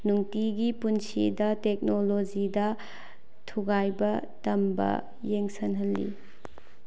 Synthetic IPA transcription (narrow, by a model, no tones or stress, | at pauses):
nuŋtiɡipunsḭdɐtek̚nolod͡ʒidɐ | tʰuɡajbɐtɐmbɐ̰ | jeŋsɐnɦɐlːḭ